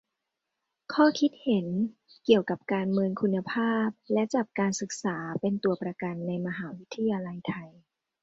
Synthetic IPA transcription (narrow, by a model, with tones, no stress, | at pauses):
kʰɔː˥˩kʰi˦˥t̪̚he˩˦n | ki˨˩əwka˨˩p̚kaː˧nmɯː˧ŋkʰu˧nːa˧pʰaː˥˩p̚lɛ˦˥t͡ɕa˨˩p̚kaː˧nsɯ˨˩k̚saː˩˦pe˧nt̪u˧ɐpɾa˧ka˧nːa˧jma˧ɦaː˩˦wi˦˥t̪ʰːa˧jaː˧la˧jt̪ʰa˧j